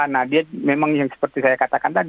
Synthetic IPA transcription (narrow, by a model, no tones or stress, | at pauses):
nahdiamemaŋjaŋsə̥pərt̪isajakat̪akant̪ad